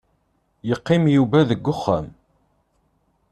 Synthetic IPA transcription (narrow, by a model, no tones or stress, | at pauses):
jəqːɪmjuvæðəɡːʊχːæ̰m